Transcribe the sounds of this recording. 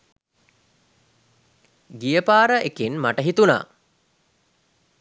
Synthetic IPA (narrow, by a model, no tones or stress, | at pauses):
ɡijəpaːɾəʔekinmaʈəɦit̪una̰ː